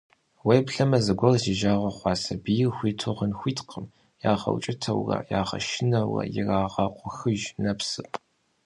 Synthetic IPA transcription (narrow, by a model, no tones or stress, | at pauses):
wejpɬɐmɐzɐɡʷɔrziʒaːʁɐχʷɑːsɐbijɪxʷiːtʰoʁənxʷiːtqʰəm | jaːʁɐ̰wt͡ʃʼɪtʰɐwrɐ̰ja̰ːʁɐ̰ʃɪnɐwɐ̰jɪraːʁɐqʷʼʊxɨʒnɐpsɨpʼ